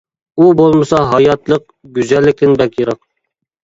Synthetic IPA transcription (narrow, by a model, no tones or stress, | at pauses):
ubolˠmɤsɑɦɑjɑt̪lˠɤq̚ | ɡʲyzælːɪ̆k̚t̪ɪnbækʲjɤɾɑq